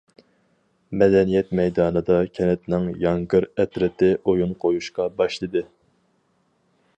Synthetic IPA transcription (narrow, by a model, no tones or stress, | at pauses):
mɛd̪ɛnijɛt̪mɛjd̪ɑːnɨd̪ɑkʲʰɛnɛt̪nɪŋjɑŋɡɨɾɛt̪ɾɪt̪ʰɪʔojunqʰojuʃqɑbɑʃlˠɨd̪ɨ